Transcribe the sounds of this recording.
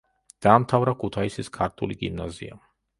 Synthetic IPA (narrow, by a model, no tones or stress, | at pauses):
d̪̥aːmt̪ʰavɾakʰut̪ʰaisiskʰaɾt̪ʰṵliɡḭmnazḭa̰